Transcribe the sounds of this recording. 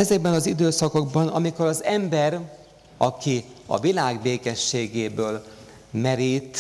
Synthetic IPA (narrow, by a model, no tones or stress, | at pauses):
ɛzɛɡ̚bɛnɒzid̪øːsɒko̞ɡbɒnɒmiko̞ɾɒzɛmbɛɾ | ɒkiɒ̰vilaːɡbeːkɛʃːeːɡeːbøːl | mɛɾit̪